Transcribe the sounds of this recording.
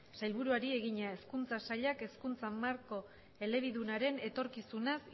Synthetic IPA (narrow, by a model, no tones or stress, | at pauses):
sajlβuɾuaɾie̞ɣ̞iɲae̞skunt͡sasaʎake̞skunt͡samaɾko̞ | e̞le̞β̞iðunaɾe̞ne̞t̪o̞ɾkisunas